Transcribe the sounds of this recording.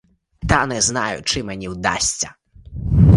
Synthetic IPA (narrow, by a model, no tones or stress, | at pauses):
t̪anɛznajʊ̰t͡ʂɨmɛnʲiwd̪a̰sʲt͡sʲɐ